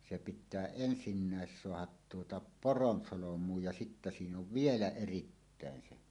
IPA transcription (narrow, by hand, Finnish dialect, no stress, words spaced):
se pitˑæː ensinːæˑes soɑhɑt tuotɑ poronsolomˑuːj jɑ sitːæ siːn oʋ ʋielæ eritːæˑen se